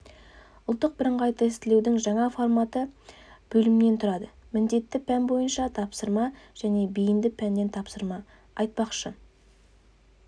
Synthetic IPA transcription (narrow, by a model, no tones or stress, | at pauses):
ʊlˠt̪ːəq̚bɪɾəɴʁɑjt̪ɑɪst̪ɪle̞wd̪ɪŋʒɑɴɑfo̞rmɑt̪əb̥ɵlɪmme̞nt̪ʰʊɾɑd̪əmɪnd̪e̞t̪ːɪpʰænbo̞jənʃɑt̪ʰɑpsəɾmɑʒ̥æne̞bijɪnd̪ɪpʰænːe̞nt̪ʰɑpsəɾmɑ | ɑjt̪̚pɑqʃə